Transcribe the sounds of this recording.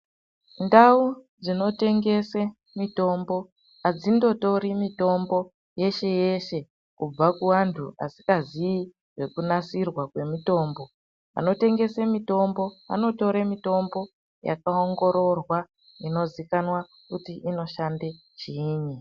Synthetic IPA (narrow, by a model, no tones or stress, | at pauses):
ndaud͡zino̞te̞ŋɡe̞se | mito̞mbo̞ | ad͡zindo̞to̞ɾimito̞mbo̞ | je̞ʃe̞je̞ʃe̞ | kub͡vakuʋantʰua̰si̥kazii | ʐe̞kunasirwakwe̞mito̞ːmbo̞ | a̰no̞te̞ŋɡe̞semito̞mbo̞a̰no̞to̞ɾemito̞mbo̞ | ja̰kaoŋɡo̞ɾo̞rwa | ino̞zikanwa | kutiʔino̞ʃande̞ | t͡ʃiːɲi